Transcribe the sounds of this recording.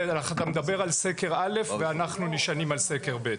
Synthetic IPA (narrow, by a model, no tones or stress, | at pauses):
aaχat̪amed̪abe̞ʁalseke̞ʁale̞fveanaχnuniʃanimalseke̞ʁbet̪